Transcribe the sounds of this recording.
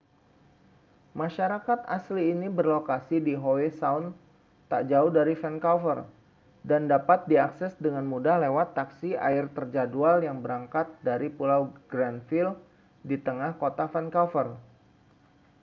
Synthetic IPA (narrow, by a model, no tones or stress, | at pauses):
maʃaɾakat̪asliːnibərlokasidiɦowesaʊn | t̪aʔd͡ʒauhdaɾifɛnkafər | dandapat̪̚diaksɛsdəŋanmudahlewat̪ːaksia̰ɪrt̪ərd͡ʒadualjaŋbəɾaŋkat̪̚daɾipulawɡɾanfil | dit̪əŋahkot̪afɛnkafər